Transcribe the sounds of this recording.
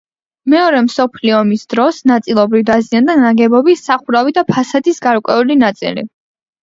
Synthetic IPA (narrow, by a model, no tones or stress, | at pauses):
mɛɔɾɛmsɔpʰliɔmisd̪̥ɾɔsnat̪sʼilˠɔbɾivd̪aziand̪anaɡɛbɔbisaχuɾavid̪apʰasad̪isɡaɾkʼwɛulinat̪sʼḭlḭ